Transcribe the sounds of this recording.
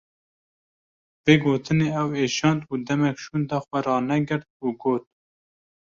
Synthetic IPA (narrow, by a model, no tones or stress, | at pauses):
b̥eːɡoːt̪ʰɨneːɛweːʃɑːnd̪uːd̪ɛmɛkʃuːnd̪ɑːxʷɛɾɑːnɛɡɨɾt̪̚uːɡoːt̪̚